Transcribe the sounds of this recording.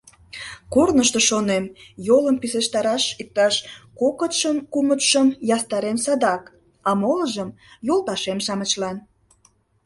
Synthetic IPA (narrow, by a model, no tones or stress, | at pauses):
kornəʃt̪oʃonemjoləmpiseʃt̪ɑɾɑʃik̚t̪ɑʃkokət̪ʃəmkumət̪ʃəmjɑst̪ɑɾemsɑd̪ɑk | ɑmoləʒəm | jolˠt̪ɑʃemʃɑmət͡ɕlɑn